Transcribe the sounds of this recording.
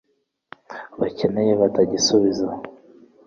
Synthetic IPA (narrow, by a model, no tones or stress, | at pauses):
βacenejeβataɟisuβiza